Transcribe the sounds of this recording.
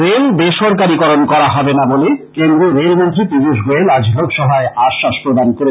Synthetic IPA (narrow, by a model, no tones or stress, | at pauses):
ɾelbeʃɔɾk̬aɾikɔɾonkɔɾaɦɔbenabolekend̪ɾoɾelmont̪ɾit̪id͡ʒiʃ̬ɡoelad͡ʑbʱoɡʃɔɦaeaʃːaʃpɾod̪ankoɾe